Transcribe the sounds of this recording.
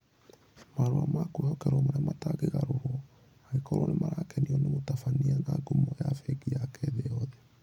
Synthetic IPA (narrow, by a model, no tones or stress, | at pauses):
maɾoamakwehɔkɛɾwɔmaɾeamataɣeɣaɾoɾwɔ | aɣekɔɾwɔnemaɾakɛniɔnemotafaniana̰ɡumɔjafɛɡiakɛðeɔðɛ